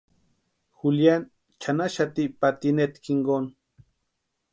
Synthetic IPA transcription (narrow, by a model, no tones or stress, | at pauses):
xuljan | t͡ʃanaʃat̪ipat̪inet̪kiŋɡon